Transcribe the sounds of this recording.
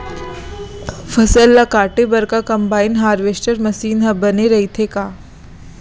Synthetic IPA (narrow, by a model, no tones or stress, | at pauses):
fɐsəlːakaːʈebɐɾkakɐmbaːinɦaːɾʋesʈəɾmɐsiːnɦɐbɐneɾɐɦit̪ʰekaː